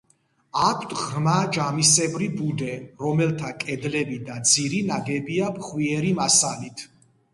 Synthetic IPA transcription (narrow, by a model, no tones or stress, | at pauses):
akʷʰt̪ʰʁmad͡ʒamisɛbɾibud̪ɛɾɔmɛlt̪ʰakʼɛd̪lɛbid̪ad̪ziɾinaɡɛbiapχwiɛɾimasalit̪ʰ